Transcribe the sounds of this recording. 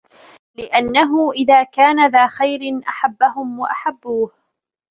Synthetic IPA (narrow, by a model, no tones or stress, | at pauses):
lɪʔanːaɦʊʔɪðaːkaːnaðaːxajɾɪnʔaħabːahʊmwaʔaħabːuːh